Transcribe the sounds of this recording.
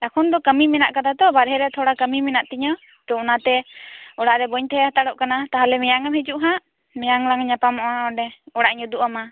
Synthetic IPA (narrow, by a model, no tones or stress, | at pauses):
akʰɔnd̪ɔkəmimɛna̰ʔkad̪at̪ɔbaɾɦɛɾɛt̪ʰɔɽakəmimɛnaʔt̪iɲɔ | t̪ɔɔnat̪ɛɔɽaʔɾɛbɔɲt̪ɛɦɛhat̪aɽɔʔkanat̪aɦalɛmɛjaŋamhɛd͡ʒuʔɦãʔ | mɛjaŋlaŋɲapamɔʔaɔɖɛɔɽaʔɲud̪uʔama